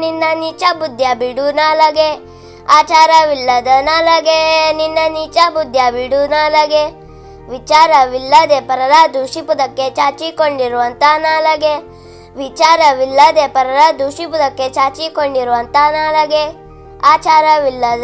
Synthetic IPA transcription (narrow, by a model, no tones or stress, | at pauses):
ninːɐnit͡ʃabud̪ʱjɐbiɽunaːlɐɡe | aːt͡ʃaːɾɐʋilːɐd̪ɐnalɐɡeninːɐnit͡ʃabud̪ʱjɐbiɽunaːlɐɡe | ʋit͡ʃaːɾɐʋilːɐd̪epɐɾɐɾaːd̪uʃipud̪ɐkːet͡ʃaːt͡ʃikoɳɖiɾuʋɐnt̪anaːlɐɡe | ʋit͡ʃaːɾɐʋilːɐd̪epɐɾɐɾad̪uʃipud̪ɐkːet͡ʃaːt͡ʃikoɳɖiɾuʋɐnt̪aːnaːlɐɡe | aːt͡ʃaːɾɐʋilːɐd̪